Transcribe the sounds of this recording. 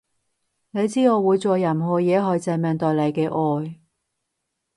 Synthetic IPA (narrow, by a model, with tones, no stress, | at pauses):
ne˨˧jt͡siː˥ŋɔː˨˧wuː˨˧jt͡sɔː˨˧jɐ˨˩mɦɔː˨˧jɛː˨˥ɦœ˨˧jt͡sɛː˨˧mɛː˨˧ŋt̪ɔː˨jle˨˧jkɛː˧ʔɔː˧j